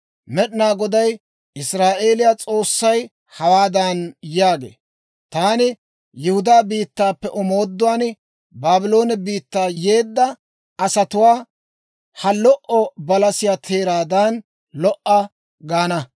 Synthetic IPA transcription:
mɛɗɪnaːɡɔd̪ɐj | ɪsɾaːʔe̞ːlɪjat͡sʼo̞ːsːɐj | hɐwaːd̪anjaːɡḛː | t̪aːnɪ | jɛhʊd̪aːbiːt̪ːaːpːɛʔɔmo̞ːd̪ːʊwaːn | baːbɪlo̞ːnɛbiːt̪ːaːje̞ːd̪ːɐ | ɐsɐt̪ʊwaː | hɐlɔʔɔbɐlɐsɪjaːt̪ʰe̞ːɾaːd̪ɐn | lɔʔːɐ | ɡaːnɐ

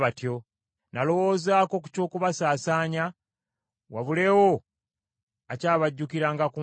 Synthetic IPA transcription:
βatjo̞ | nalo̞wo̞ːzaːko̞ku̥co̞ːkuβasaːsaːɲa | waβule̞ːwo | acaːβaɟːukiɾaŋɡaku

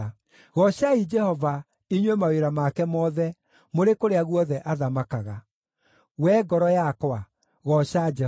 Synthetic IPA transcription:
ɣɔɕaid͡ʒɛhɔva | iɲwemaweɾamakɛmɔðɛ | moɾekoɾeaɣuɔðɛʔaðamakaɣa | wɛːɡɔɾɔjakwa | ɣɔɕad͡ʒɛ

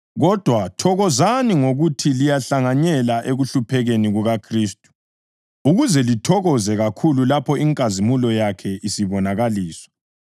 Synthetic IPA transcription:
ɣɔd̥ʱwatʰɔɣɔzaniŋoɣutʰilijaɬaŋaɲɛlaʔeɣuɬupʰɛɣeniɣuɣakʰriːstʼu̥ | uɣuzɛlitʰɔɣɔzɛɣakʰululapʰɔiŋkʼazimulɔjakʰɛʔisiβɔnaɣaliːsɔ̥

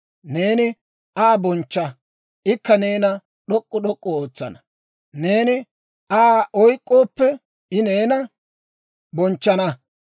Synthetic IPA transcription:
ne̞ːnɪ | ʔaːbɔnt͡ʃːɐ | ʔɪkːɐne̞ːnɐ | ɗɔkʼːʊɗɔkʼːɔoːt͡sːɐ̰nɐ̥ | ne̞ːnɪ | ʔaːʔɔjkʼːoːpːɛ | ɪne̞ːnɐ | bɔnt͡ʃːɐnɐ

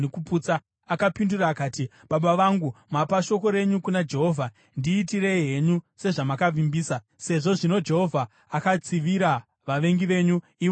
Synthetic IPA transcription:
ekupuːt͡sa | akapinduraːkaːti | ɓaɓaʋaŋɡumapaʃo̞ko̞ɾe̞ɲukunad͡ʒe̞ɦo̞ːvʱa | ndiːtirejɦe̞ɲuse̞ʐamakavimbiːsa | se̞ʐo̞ʐino̞d͡ʒe̞ɦo̞vʱaː | kat͡siʋiɾa | ʋaʋe̞ŋɡiʋe̞ɲu | io

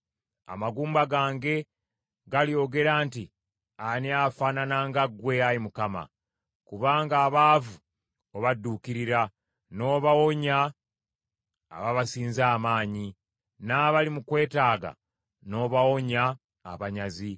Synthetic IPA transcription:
a̰maɡuːmbaɡaːŋɡe̞ | ɡaljo̞ːɡe̞ɾaːnti | aniafaːnanaŋɡaɡwe̞alimukama̰ | kuβaːŋɡaːβaːvu | oβadːuːkiɾiɾa | no̞ːβawoɲa | βaβasiːnzaːmaːɲi | naβalimukwe̞ːtaːɡa̰ | no̞ːβawo̞ɲa̰ː | βaɲazi

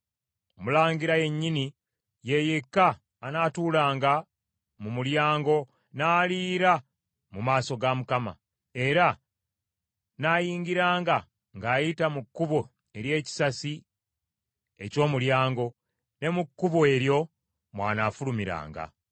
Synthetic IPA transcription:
omulaːŋɡiɾaje̞ɲːini | je̞jekːaː | natuːlaːŋɡa | mumuljaːŋɡo̞ | naːliːɾa | mumaːso̞ɡamukama̰ | e̞ɾa | naːjiːŋɡiɾaːŋɡa | ŋɡaːjitamukːuβo | e̞ɾje̞ːci̥sasi | e̞co̞ːmuljaːŋɡo̞ | ne̞mukːuβoe̞ɾjo̞ | mwa̰ːnafulumiɾa̰ːŋɡa̰

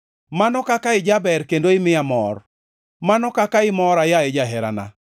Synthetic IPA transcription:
manɔkakaɪd͡ʒabɛɾkendoɪmɪjamɔ̰r | manɔkakaɪmɔɾajaɛd͡ʒaɦɛɾa̰na̰

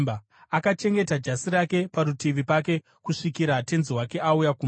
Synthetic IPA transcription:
ba | akat͡ʃe̞ŋɡe̞tad͡ʒasiɾake̞paɾutiʋipake̞ | kuʂikiɾate̞nziɦwake̞aujakum

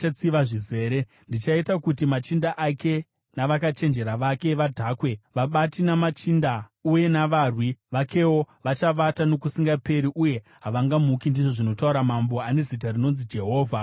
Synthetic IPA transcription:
at͡siʋaʐize̞ːɾe̞ | ndit͡ʃaitakutimat͡ʃindaʔake̞ | naʋakat͡ʃe̞nd͡ʒe̞ɾaʋake̞ʋadʱaːkwe̞ʋaɓatinamat͡ʃindauje̞naʋaːrwiʋake̞wo̞ | ʋat͡ʃaʋatano̞kusiŋɡape̞ɾiʔuje̞ | ɦaʋaŋɡamukindiʐo̞ʐino̞tauɾamambo̞ane̞zit̬arino̞nzid͡ʒe̞ɦo̞ːvʱa

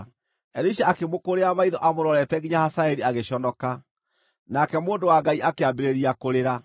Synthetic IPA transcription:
ɛɾeʃaakemokoɾeamaiðɔʔamoɾɔɾɛtɛɣiɲahasaɛɾiaɣeɕɔnɔka | nakɛmoːndowaŋɡaiʔakeambeɾeɾiakoɾeɾa

